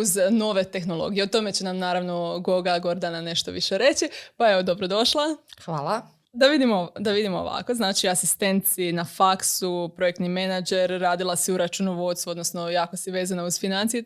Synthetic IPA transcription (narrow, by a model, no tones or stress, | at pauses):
uzno̞ʋe̞t̪e̞xno̞lˠo̞̰ɡijeot̪o̞me̞t͡ɕenamnaːɾaʋno̞ɡo̞ɡaɡo̞ɾd̪anane̞ʃt̪o̞ʋḭʃeɾe̞t͡ɕipajeod̪o̞bɾod̪o̞ʃlˠaxʋaːlˠa | d̪aʋid̪imod̪aʋid̪imoo̰ʋa̰ko̞znaːt͡ʃiasist̪e̞nt̪sinafaksupɾo̞jekt̪nimenad͡ʒe̞ɾːaːd̪ilˠasiuɾat͡ʃunoʋo̞t̪st̪uo̞d̪nosno̞jaːko̞siʋe̞ːzanauzfinant̪sije